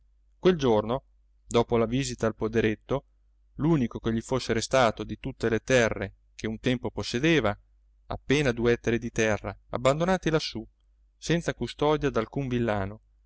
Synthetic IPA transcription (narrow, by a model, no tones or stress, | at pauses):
kweld͡ʒorno | d̪ɔːpolaviːzit̪aːlpod̪eɾet̪ːo | luːnikokeʎːifosːeɾest̪aːt̪od̪it̪ut̪ːelet̪ɛrːe | kʰeunt̪ɛmpoposːed̪eːva | a̰pːeːnad̪uɛt̪ːeɾed̪it̪ɛrːaa̰bːand̪onaːt̪ilasːu | sɛnt̪sakust̪ɔːd̪jad̪alkuɱvilːaːno